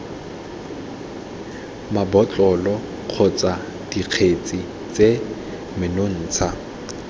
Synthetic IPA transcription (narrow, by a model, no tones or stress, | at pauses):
mabɔt͡ɬʼɔlɔ | q͡χʰɔt͡sʼa | d̥iq͡χʰet͡sʼi | t͡sʼe | mɪnon̩ːt͡sʰa